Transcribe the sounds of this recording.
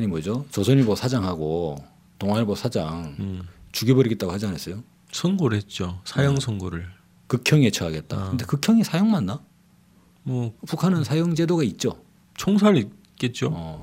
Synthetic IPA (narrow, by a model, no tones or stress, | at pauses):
ɲimwʌd͡ʑot͡ɕʌsʰʌɲiɭmʌsʰad͡ʑaŋɦaɡo | toŋɦaɲiɭmʌsʰad͡ʑaŋt͡ɕuɡibʌɾiɡet̚t͈aɡohad͡ʑianas͈ʌjo | sʰʌŋɡoɾɯhet̚t͡ɕ͈osʰajʌŋsʰʌŋɡoɾɯɭ | kɯkʰjʌŋet͡ɕʰʌaɡe̞t̚t͈a̰kɯnde̞kɯkʰjʌŋisʰajʌŋmanːa | mʌpukʰanɯnsʰajʌŋd͡ʑe̞doɡait̚t͡ɕ͈o | t͡ɕʰoŋsʰaɾi | k͈et̚t͡ɕ͈oʌ